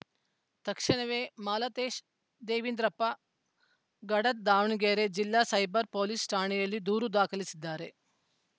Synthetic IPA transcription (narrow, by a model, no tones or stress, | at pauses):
t̪ɐkʂɐɳɐʋeːmaːlat̪eːʃ | d̪eːʋind̪ɾɐpːɐ | ɡɐɽɐt̪̚d̪aːʋɳiɡeːɾed͡ʒilːaːsɐjbɐɾpoːlisʈaːɳijɐlːid̪uːɾud̪aːkʰɐlisid̪ːaːɾe̞